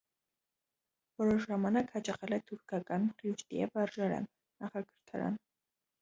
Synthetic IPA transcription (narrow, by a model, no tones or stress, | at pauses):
vɔɾɔʃʒɑmɑnɑkhɑt͡ʃɑχɛlɛt̪ʰuɾkʰɑkʼɑnχjuʃt̪iɛ̰vɑɾʒɑɾɑ̰nː | ɑχɑɡəɾt̪ʰɑɾɑ̰n